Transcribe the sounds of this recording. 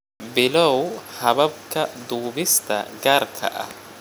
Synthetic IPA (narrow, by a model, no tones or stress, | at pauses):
bɪlɐwhɐbɐb̚kɐd̪uːbɪst̪ɐ̰ɡɐɾkʰɐ̰ʔɐ̰